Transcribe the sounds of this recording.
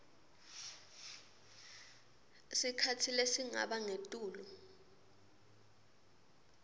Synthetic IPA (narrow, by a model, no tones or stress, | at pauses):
sikʰatʰilesiŋa̰ɓaŋetʼuːlɔ